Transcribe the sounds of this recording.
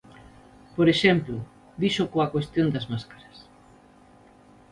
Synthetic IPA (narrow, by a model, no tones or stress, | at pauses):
poɾeʃɛmplʊ | d̪iʃʊkoakwest̪jond̪ɐzmaskḁɾɐs